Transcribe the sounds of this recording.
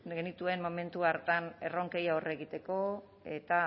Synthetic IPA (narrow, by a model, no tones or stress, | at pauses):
ɡe̞nit̪ue̞nmo̞me̞nt̪uaɾt̪ane̞̰ro̞ŋke̞jaore̞ɣit̪e̞ko̞ | e̞t̪a